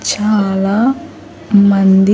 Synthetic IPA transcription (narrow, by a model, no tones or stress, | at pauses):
t͡ʃaːlaː | mɐnd̪i